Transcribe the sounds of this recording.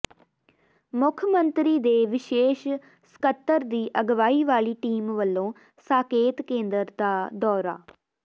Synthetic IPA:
mʊkʰmənt̪ɾiːd̪eːʋɪʃeːʃ | sə̥kət̪ːəɾd̪iːʔəɡʋaːiːʋaːɭiːʈiːmʋəlːõː | saːkeːt̪kẽːnd̪əɾd̪aːd̪ɔːɾa̰ː

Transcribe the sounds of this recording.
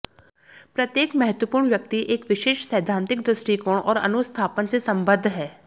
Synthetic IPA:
pɾət̪jeːkmɛɦət̪wəpuːɾɳʋjək̚t̪iʔɪkʋɪʃeːʃsəːd̪ʱãːnt̪ɪk̚d̪ɾəsʈiːkoːɳɔ̰ːɾə̰nʊst̪ʰaːpənt͡ʃəsəmbəd̪ʱːɦɛː

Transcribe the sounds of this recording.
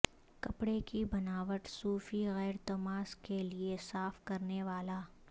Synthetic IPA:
kɐpɽekibɐnaːʋəʈsuːfiɣɛːɾt̪ɐmaːskeliesaːfkɐɾneʋaːlaː

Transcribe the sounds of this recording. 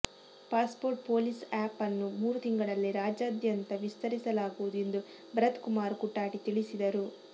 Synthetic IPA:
paːspoːɾʈ̚po̞ːlisaːpɐnːumuːɾut̪iŋɡɐɭɐlːiɾaːd͡ʒaːd̪jɐnt̪ɐʋist̪ɐɾisɐlaːɡuʋud̪ue̞nd̪u | bɾɐt̪kumaːɾkuʈːaːʈit̪iɭisid̪ɐɾu

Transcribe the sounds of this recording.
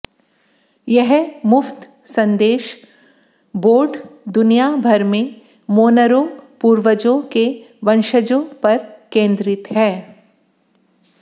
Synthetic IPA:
jɛɦmʊft̪ | sɐ̃nd̪eːʃ | boːɾɖd̪ʊnijabʱɐɾmẽ | moːnəɾõpuːɾʋəd͡ʒõkeʋɐnʃəd͡ʒõpɐɾkẽːnd̪ɾɪt̪ɦɛː

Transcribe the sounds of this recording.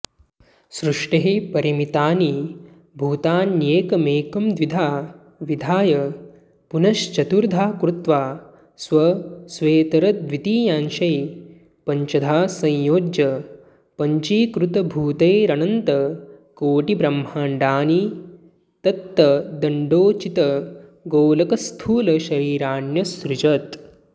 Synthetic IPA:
sɾuʂʈeɦepɐɾimit̪aːni | bʱuːt̪aːnjeːkɐmeːkɐmd̪ʋid̪ʱaː | ʋid̪ʱaːjɐ | punɐʃt͡ʃɐt̪uɾd̪ʱaːkɾut̪ʋaː | sʋɐsʋeːt̪ɐɾɐd̪ʋit̪iːjaːnʃɐj | pɐɲt͡ʃɐd̪ʱaːsɐ̃jjoːd͡ʒjɐ | pɐɲt͡ʃiːkɾut̪ɐbʱuːt̪eːɾɐnɐnt̪ɐkoːʈibɾɐmːɦaːɳɖaːni | t̪ɐt̪ːɐd̪ɐɳɖoːt͡ʃit̪ɐɡoːlɐkɐst̪ʰuːlɐʃɐɾiːɾaːɳjɐsɾut͡ʃɐt̪

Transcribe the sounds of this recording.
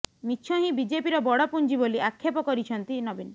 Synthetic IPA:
miʃʰɔɦĩbid͡ʒepiɾɔbɔɽɔpund͡ʒiboliʔakʰːepɔkɔɾit͡ʃʰɔnt̪inɔbin

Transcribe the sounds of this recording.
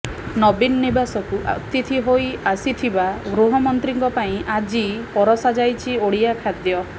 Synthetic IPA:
nɔbinɔnibasɔkuʔa̰t̪it̪ʰiɦojasiʈ̪ʰibaɡɾuɦɔmɔnt̪ɾiŋkɔpaĩʔad͡ʒipɔɾɔsad͡ʒajt͡ʃʰioɽijakʰad̪jɔ

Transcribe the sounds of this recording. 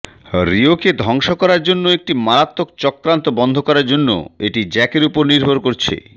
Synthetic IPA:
ɾioked̪ʱɔŋʃokɔɾaɾd͡ʑonːoek̚ʈimaɾat̪ːok̚t͡ɕɔkːɾant̪obɔnd̪ʱokɔɾaɾd͡ʑonːo̰eʈid͡ʑɛkeɾupoɾniɾbʱoɾkoɾt͡ɕʰḛ

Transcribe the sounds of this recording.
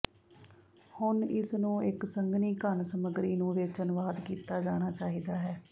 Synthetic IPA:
hʊnɪsnũːɪksəŋɡniːkənsəməɡɾiːnũːʋɪt͡ʃənʋaːd̪kiːt̪aːd͡ʒaːnaːt͡ʃaːɦiːd̪aːɦɛː

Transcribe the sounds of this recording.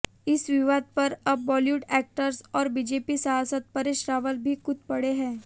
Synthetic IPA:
ɪsʋɪʋaːd̪̚pɐɾɐbʋɔːljuːʈɛːk̚ʈəɾsɔːɾbid͡ʒeːpisɐɦaːsət̪̚pɐɾeʃɾaːʋəlbʱikʊt̪̚pɐɽeɦɛ̃ː

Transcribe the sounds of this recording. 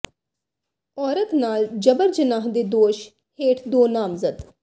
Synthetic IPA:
ɔːɾət̪naːld͡ʒəbəɾd͡ʒənaːɦd̪eːd̪oːʃ | heːʈʰd̪oːnaːmzəd̪

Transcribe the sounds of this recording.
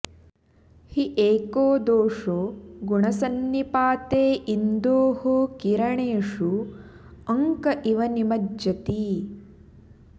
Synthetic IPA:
hiʔeːkoːd̪oːʂoːɡuɳɐsɐnːipaːt̪eːʔind̪oːɦoːkiɾɐɳeːʂu | ɐŋkɐʔiʋɐnimɐdjɐt̪i

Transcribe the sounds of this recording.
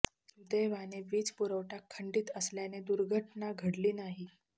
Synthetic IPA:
ud̪əjʋaneʋiːt͡spuɾəʋʈakʰːəɳɖiːt̪əsljaned̪uɾɡʱəʈnaɡʱəɽliːnaɦi

